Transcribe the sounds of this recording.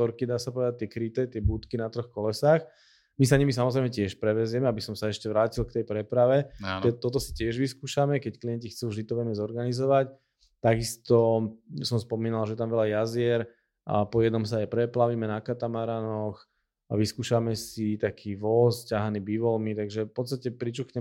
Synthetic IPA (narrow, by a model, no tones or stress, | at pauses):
ɔɾkid̪aːsapɔʋɛd̪at̚t̪ɪɛkɾit̪ɛt̪ɪɛbuːt̪kinat̪ɾɔxkɔlɛsaːx | mis̬aɲimis̬amɔzɾɛɪjmɛcɛʃpɾɛʋɛzjɛmɛabisɔmsaɛʃcɛʋɾaːcilkt̪ɛjpɾɛpɾaʋɛɛt̪ɔt̪̬ɔsi̥cɪɛʒʋiskuːʃamɛkɛckliɛncixt͡suːvʒd̪it̪ɔʋɛnɛzɔɾɡanizɔʋac | t̪aɡist̪ɔsɔmspɔmiːnalʒɛɛt̪amʋɛʎajazɪɛɾ | pɔjɛd̪nɔmsaajpɾɛplaʋimɛnakat̪amaɾanɔx | ʋiskuːʃamɛsit̪akʰiːʋɔscaɦaniːbiʋɔlmit̪aɡʒɛfpɔt̪st̪acɛpɾit͡ʃuxɲɛ